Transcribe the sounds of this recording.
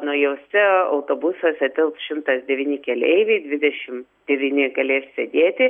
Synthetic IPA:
noːjɛʊsʲɛɐʊt̪oːbʊsosʲɛt̪ʲʋʲɪlˠpsʃʲɪmt̪ɐsd̪ʲɛʋʲiːnʲɪkʲɛlʲɛ̰ɪʋʲɛɪd̪ʲʋʲɪd̪ʲɛʃʲɪm | d̪ʲɛʋʲiːnʲɪɡɐlʲeːssʲed̪ʲeːt̪ʲɪ

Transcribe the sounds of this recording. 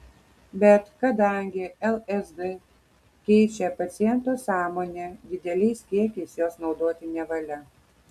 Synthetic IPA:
bʲɛt̪kɐd̪ɐˑŋʲɡʲɪɛlˠɛzd̪ɨ | kʲɛɪt͡ʃʲɛpɐt̪sʲɪjɛnt̪oːsɑːmoːnʲed̪ʲɪd̪ʲɛlʲɛɪskʲiɛkʲɛɪsjoːsnɒʊd̪oɔt̪ʲɪnʲɛʋɐlʲɛ

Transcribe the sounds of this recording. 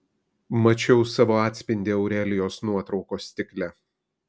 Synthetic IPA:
mɐt͡ʃʲɛʊsɑːʋoːɑːt̪ʲsʲpʲɪnʲd̪ʲɪɐʊɾʲæːlʲɪjoːsnuɔt̪ɾɒʊkoːsʲt̪ʲɪklʲɛ

